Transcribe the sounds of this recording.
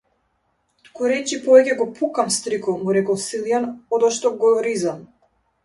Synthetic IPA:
t̪kuɾɛt͡ʃipɔvɛcɛɡɔpʰukamst̪ɾikɔmuɾɛkɔsilˠjanɔd̪ɔʃt̪ɔɡɔɾizam

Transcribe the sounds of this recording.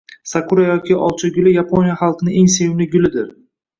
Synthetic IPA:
sakʰʊɾajɒkʲʰɪʔɒ̰lˠt͡ʃʰaɡʲʊlɪjapʰonʲijaχɑlˠqɨnɪeŋsewlɪɡʲʊlɪd̪ɪɾ

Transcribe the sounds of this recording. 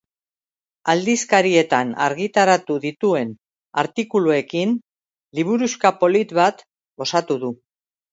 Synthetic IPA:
ald̪iskaɾie̞t̪ana̰ɾɣit̪aɾat̪uðit̪ue̞n | a̰ɾt̪ikulue̞kin | liβ̞uɾuskapo̞lit̪βat̪ | o̞sat̪uðu

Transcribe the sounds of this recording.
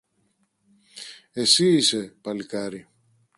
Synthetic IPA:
esiːsepalikaɾi

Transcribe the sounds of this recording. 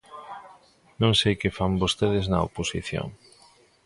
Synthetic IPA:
nõŋsejkɪfambost̪eðɪznɐ̰o̰posiθjo̰ŋ

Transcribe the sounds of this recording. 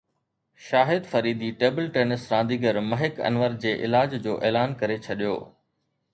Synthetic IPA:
ʃaːɦɪd̪fɐɾiːd̪iʈeːbəlʈeːnɪsɾãːnd̪iːɡəɾmɐɦɪkɐ̰nʋəɾd͡ʑeːʔɪ̰laːd͡ʑd͡ʑoːʔeːlaːnkɐɾet͡ɕʰɐɗijo̰ː

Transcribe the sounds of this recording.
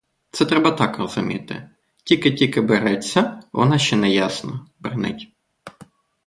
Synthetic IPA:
t̪sɛt̪ɾɛbɐt̪ɑkrɔz̥ʊmʲḭt̪ɪ̰ | tʲikɪtʲikɪbɪɾɛt͡sʲːɐʋʔɔ̰nɑʃt͡ʃɛnɛjasnɔbɪrnɪ̰tʲ

